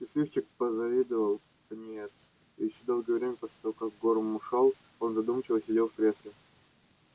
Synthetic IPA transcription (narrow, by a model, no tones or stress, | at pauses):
ɪslʲift͡ɕɪk̚pəzɐvʲid̪əvəlˠ | kɐnʲet̪s | ijɪɕːod̪o̞lˠɡəjəvɾʲemʲəposlʲɪt̪ɐvokak̚ɡoɾmʊʂɑlˠ | o̞nzɐd̪umət͡ɕɪvəsʲɪdʲelˠfkɾʲe̞slʲɪ